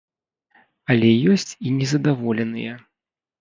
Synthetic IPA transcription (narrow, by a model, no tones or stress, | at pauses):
ɐlʲɛjɔsʲt͡sʲinʲɛzɐd̪avɔlʲɛnɨ̰jɛ